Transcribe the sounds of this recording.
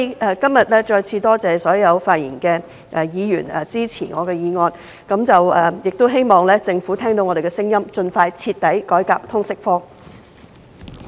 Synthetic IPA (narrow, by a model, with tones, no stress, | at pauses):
ɛ˨˩kɐ˥mjɐ˨t̚lɛː˥t͡ʃɔː˧jt͡sʰiː˧t̪ɔː˥t͡sɛː˨sɔː˨˥jɐ˨˧wfaː˧t̚jḭ˨˩nkɛ˧ | ʔɛ˨˩jiː˨˧jy̰ː˨˩nɛ˨t͡siː˥t͡sʰiː˨˩ŋɔː˨˧kɛː˧jiː˨˧ŋɔː˧n | kɐ˨˥mt͡sɐ˨wɛː˨˩jɪ˨k̚t̪o˥wɦe˥jmɔː˨˩ŋlɛː˥t͡sɪ˧ŋfu˨˥t̪ʰɛː˥ŋt̪o˨˥wŋɔ˨˧d̪e˨˩kɛː˧sɪ˥ŋjɐ˥mt͡ʃɵ˧nfaː˧jt͡sʰiː˧t̪̚ːɐ˨˥jkɔː˨˥jka̰ː˧˨p̚t̪ʰʊ˥ŋsɪ˥k̚fɔː˥